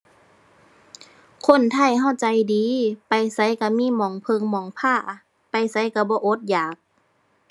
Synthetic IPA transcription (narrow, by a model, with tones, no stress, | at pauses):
kʰo˧˥˨nt̪ʰa˧˥˩jɦa˧˩˨wt͡ɕa˨˧jdiː˨˦pa˨˧jsa˧˦jka˧˩miː˧˥˨mɔː˨˩˦ŋpʰɤ˧˨ŋmɔː˨˩˦ŋpʰaː˧˩ | pa˨jsa˧˦jka˧˩bɔː˧˦ʔo˧˦t̪̚jaː˨˩k̚